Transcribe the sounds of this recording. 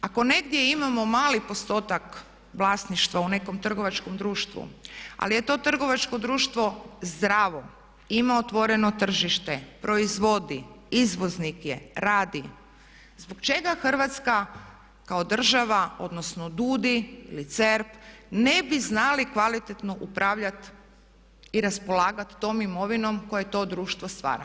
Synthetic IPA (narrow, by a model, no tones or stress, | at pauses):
ako̞ne̞ɡd̪je̞imamo̞maːlipo̞st̪o̞ːt̪ak | ʋlˠaːsniʃt̪ʋaune̞komt̪r̩ɡo̞ʋat͡ʃko̞md̪ɾuːʃt̪ʋṵa̰lije̞t̪o̞ːt̪r̩ɡo̞ʋat͡ʃko̞d̪ɾuːʃt̪ʋo̞zd̪ɾaːʋo̞ | imaot̪ʋo̞ɾe̞no̞t̪r̩ʒiʃt̪epɾo̞izʋo̞d̪i | izʋo̞znikjeɾaːd̪i | zbokt͡ʃe̞ɡaxr̩ʋat̪ska | kaod̪r̩ʒaʋao̞̰d̪no̞sno̞d̪uːd̪iḭlit̪seɾpne̞biznalikʋalit̪et̪no̞ʔupɾʔaːʋʎat̪ | iɾaspo̞laːɡat̪ːo̞ːmimo̞ʋino̞mko̞jeet̪o̞d̪ɾuːʃt̪ʋo̞st̪ʋa̰ːɾa̰